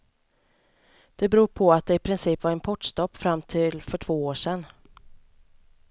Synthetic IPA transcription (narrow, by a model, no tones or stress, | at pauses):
d̪̥ɛbɾuːpʰɔat̪̚d̪ɛɪpʰɾɪnsiːpvaɾɛnpʰɔʈʂt̪ɔpːfɾamːt̪ʰɪlfœʈʰv̥oːoːʂɛnː